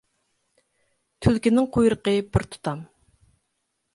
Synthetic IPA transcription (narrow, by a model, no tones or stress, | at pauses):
t̪ʰylkʲinɪŋqʰojɾəqəbɪɾt̪ʰu̥t̪ʰɑm